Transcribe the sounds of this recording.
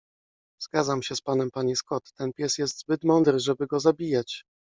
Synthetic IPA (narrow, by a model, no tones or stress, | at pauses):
z̥ɡadzamɕɛspanɛmpaɲiskɔt̪ːɛnpʲjɛsjɛs̬t̪zbɘt̪mɔnd̪ɾɘʐɛbɘɡɔzabʲijat͡ɕ